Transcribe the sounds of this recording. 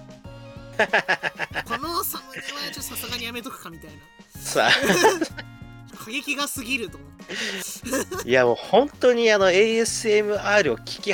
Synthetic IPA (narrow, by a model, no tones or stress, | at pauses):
konosaat͡ɕot̪ːosasɨɡaɲ̟ijame̞t̪okɯ̟̥kamʲit̪aina | sa̰ | kʰaɡe̞kʲiɡasɨɡʲiɾɯ̟t̪omot̪ː | jamoːhõ̞nt̪o̞ɲ̟iano̞eːesɨe̞mɯ̟aːɾɯ̟okʲi̥kʲi